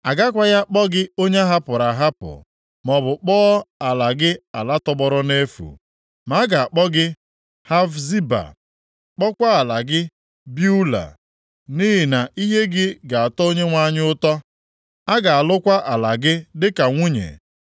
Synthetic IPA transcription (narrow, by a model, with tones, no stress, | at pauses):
a˨ɡa˦kʷa˦ja˦k͡pɔ˦ɡɪ˦o˦ɲe˦a˦ɦa˦pʊ˨ɾa˨ɦa˦pʊ̰˨ | mɔ˨bʊ˨k͡pɔː˦a˨la˨ɡɪ˦a˨la˦tɔ˦bɔ˦ɾɔ˦ne˦fṵ˨ | ma˨˦ɡa˨a˨k͡pɔ˦ɡɪ˦ | ha˦vzi˦ba̰˨ | k͡pɔ˦kʷa˦a˨la˨ɡɪ˦ | bju˦la̰˨ | ni˦ɦɪ˨na˨ʔi˦ɦe˦ɡɪ˦ɡa˨a˨tɔ˦o˦ɲe˦ŋʷa˦ɲɪ˦ʊ˦tɔ˦ | a˦ɡa˨a˨lʊ˦kʷa˦ʔa˨la˨ɡɪ˦dɪ˦ka˨ŋʷu˦ɲḛ˨